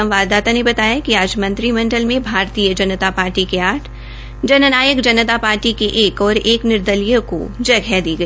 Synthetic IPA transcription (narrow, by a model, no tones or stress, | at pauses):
ɐ̃mʋaːd̪aːt̪anebɐt̪aːjakiaːd͡ʒmɐ̃nt̪ɾimɐ̃ɳɖəlmẽbʱaːɾt̪iːjəd͡ʒɐnət̪apaːɾʈikeaːʈʰ | d͡ʒɐnənaːjəkd͡ʒɐnət̪apaːɾʈikeʔeːkɔːɾeːknɪɾd̪əlijõko̰d͡ʒɐɡʱɛd̪iːɡɐi